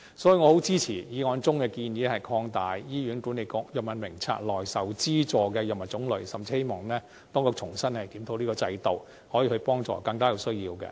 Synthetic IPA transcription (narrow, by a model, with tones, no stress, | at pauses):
sɔː˨˥jiː˨˧ŋɔː˨˧ho˨˥wt͡siː˥t͡sʰiː˨˩jiː˨˧ŋɔː˨˧˥nt͡sʊ˥ŋkɛː˧kiː˧njiː˨˥hɐ˨jkʰɔː˧ŋt̪aː˨˩jjiː˥ɥyː˨˥nku˨˥ne˨˧jkɔː˧˥k̚jɐ˨p̚mɐ˨nmɪ˨˩ŋt͡sʰa̰ː˧t̚lɔː˨˩jsɐ˨wt͡siː˥t͡sɔː˨kɛ˧jɐ˨p̚mɐ˨˩t͡sʊ˨˥ŋlɵ˨˧ɥsɐ˨mt͡si˧he˥jmɔː˨˩ŋnɛː˥ | t̪ɔː˥ŋkɔː˧k̚t͡sʰʊ˨˩ŋsɐ˥nhɐ˨jt̪iː˨˥mt̪ʰo˧wliː˥kɔː˧t͡sɐ˧jt̪o˨˧w | hɔː˨˥jːhɵ˧ɥpɔː˥ŋt͡sɔ̰ː˨˩kɐ˧ŋkaː˥ji˨˧˩wsɵ˥ɥjiː˧wkɛ̰˧